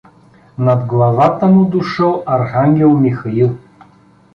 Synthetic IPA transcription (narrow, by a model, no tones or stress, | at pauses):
nɐd̪ɡlˠɐvat̪əmʊd̪ʊʃəlˠɐɾxaŋɡʲɛlˠmixɐilˠ